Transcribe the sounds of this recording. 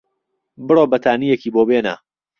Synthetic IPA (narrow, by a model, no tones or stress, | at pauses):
bɨroːbɐt̪ʰaːnijekiːboːbeːna̰ː